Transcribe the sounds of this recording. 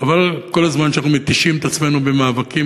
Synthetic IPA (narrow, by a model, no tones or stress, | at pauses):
avalko̞lazmanʃeanaχnumet̪iʃimet̪at͡sme̞nube̞maːvaki